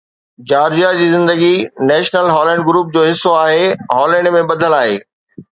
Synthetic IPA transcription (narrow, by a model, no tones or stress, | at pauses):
d͡ʑaːɾd͡ʑijad͡ʑiːzɪ̃nd̪əɡinɛːʃnəlɦɔːlɛ̃ːɳɖɡɾuːp̚d͡ʑoːɦɪsːoaːɦeɦɔːlɛ̃ːɳɖmẽɓɐd̪ʱəlaːɦḛː